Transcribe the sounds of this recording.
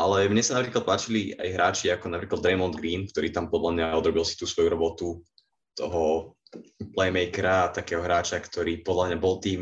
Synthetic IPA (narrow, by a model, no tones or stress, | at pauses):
ʔalɛmɲɛsanapɾiːklˠat̪̚paːt͡ʃilia̰jɦɾʔaːt͡ʃiakɔnapɾiːklad̪ɾɛmɔnd̪ɡɾiːnk̚t̪ɔɾiːt̪ampɔd̪lamɲaɔd̪ɾɔbilsi̥t̪uːsʋɔjuɾɔbɔt̪u | t̪ɔɦɔ | plɛjmɛjkɛɾaːt̪akɛːɦɔɦɾaːt͡ʃakt̪ɔɾiːpɔd̪lamɲabɔlˠt̪iːm